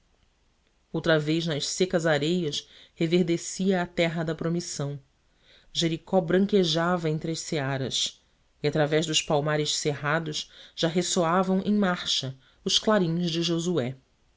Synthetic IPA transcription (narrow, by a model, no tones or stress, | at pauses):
owt̪ɾɐvejznɐʃsekɐzaɾejɐshevehd̪esiɐːt̪ɛɦɐd̪ɐpɾomisɐ̃w̃ | ʒeɾikɔbɾɐ̃ŋkeʒavɐẽnt̪ɾɪɐʃseaɾɐ̰s | iat̪ɾavɛʒd̪ʊʃpawmaɾɪʃseɦad̪ʊʃʒ̥aɦesoavɐ̃w̃ʔẽj̃maɾʃɐ | ʊʃklaɾĩɲʊzd͡ʒɪʒozuɛ